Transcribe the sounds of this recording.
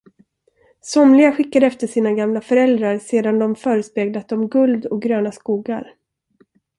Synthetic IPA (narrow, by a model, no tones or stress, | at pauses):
sɔmlɪɡaɧɪkːad̪əɛft̪əʂiːnaɡamlafœɾɛld̪ɾaɾseːd̪and̪ɔmfœːɾəspeːɡlat̪ɔmɡɵld̪ɔk̚ɡɾøːnaskuːɡa̰ɾ